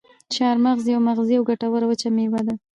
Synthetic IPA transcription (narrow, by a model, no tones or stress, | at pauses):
ʃɑɾmaɣzjawmaɣzijawɡaʈawəɾawət͡ʃamewad̪a